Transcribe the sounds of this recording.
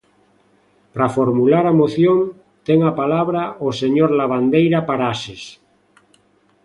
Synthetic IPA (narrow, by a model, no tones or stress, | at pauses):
pɾafoɾmulaɾamoθjon | t̪eŋapalaβɾaʔoseɲoɾlaβand̪ejɾapaɾases